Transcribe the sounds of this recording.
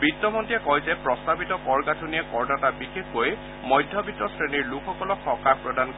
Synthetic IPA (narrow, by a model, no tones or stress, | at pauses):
bitːɔmɔntiɛkɔjzɛpɹɔstabitɔkɔɹɡatʰuniɛkɔɹdatabixexkoj | mɔjdʱjɔbitːɔsɹeniɹlukʰɔkɔlɔkxɔkapɹɔdank